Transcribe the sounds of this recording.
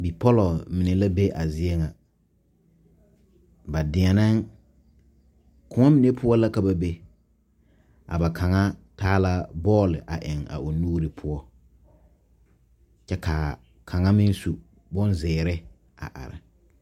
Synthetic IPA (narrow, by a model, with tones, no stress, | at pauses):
bi˨pɔ˦lɔ˨mɪ˨ne˨la˦be˦ʔa˨zɪ˦ɛ˦ŋa˨ | ba˨dɪ˨ɛ˨na˦ŋ | kʊ˦ŋa˦mi˨ne˦pʊ˦ɔ˦la˦ka˨ba˦be˦ | a̰˨ba˨kʰa˨ŋa˦taː˦la˦bɔː˦lɪ˨ʔa˨ʔɪ˨ŋa̰˨ʔo˨nuː˦ɾɪ˨pʰʊ˦ɔ˦ | t͡ʃɛ˦ka˨ | kʰa˨ŋa˦mɪ˦n˦su˨ | bʊ˦nzɛː˨ɾɪ˦ | a̰˨ʔa̰˨ɾɪ˨